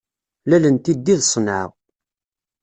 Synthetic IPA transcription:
lælənt̪id̪ːiðsˤnəʕ̰ʁ

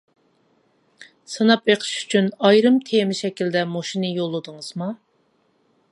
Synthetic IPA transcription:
sɨnɑpeqʰə̥ʃy̥t͡ʃʰynɑjɾɨmt̪ʰemɪʃɛkʲild̪ɛmoʃinɨjolˠːɨd̪ɨŋɨz̥mɑ

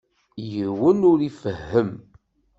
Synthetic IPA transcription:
jəwənʊɾifəhːəm

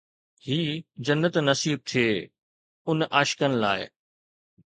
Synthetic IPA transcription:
hiːd͡ʑɐnːət̪nɐsiːb̚t̪ʰijeː | ʊnʔaːʃkənɪ̆la̰ːɪ

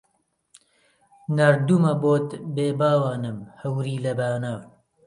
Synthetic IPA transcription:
nɐɾd̪umɐboːt̪beːbaːwaːnɨmhɐwɾiːlɐbaːnaːv

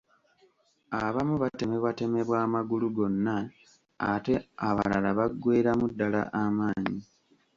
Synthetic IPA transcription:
aβamuβate̞me̞βwate̞me̞βwaːmaɡuluɡo̞nːaː | te̞aβa̰lalaβaɡːwe̞ːɾamudːala̰ʔamaːɲi

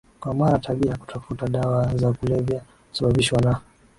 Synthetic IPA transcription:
kwamaɾataɓiaku̥tʰafutaɗawazakulɛvja | usaɓaɓiʃwana

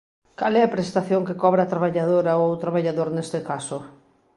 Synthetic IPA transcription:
kalɛɐpɾest̪aθjoŋkekɔβɾat̪ɾaβaʎaðoɾaowt̪ɾaβaʎaðoɾnest̪ekaso

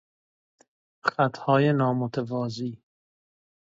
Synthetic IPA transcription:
χæt̪ʰhɒːjenɒːmot̪ʰevɒːziː

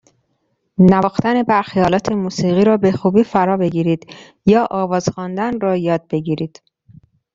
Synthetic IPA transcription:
nævɒːxt̪æne̞bæɾxijɒːlɒːt̪ʰemuːsiːɣiːɾɒːbexuːbiːfæɾɒːbe̞ɟiːɾiːd̪̥ | jɒːʔɒːvɒːzxɒːnd̪ænɾɒːjɒːd̪̚be̞ɟiːɾiːd̪̥

